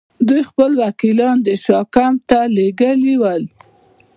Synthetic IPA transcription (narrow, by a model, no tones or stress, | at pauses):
d̪ujxpəlwakilɑnd̪əʃɑkamt̪aleɡəliwəl